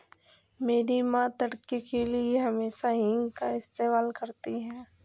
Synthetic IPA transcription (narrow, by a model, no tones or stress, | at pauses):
meːɾimãt̪ɐɽkekelieɦɐmeːʃaɦɪ̃ŋɡkaɪst̪eːmaːlkɐɾt̪iɦɛː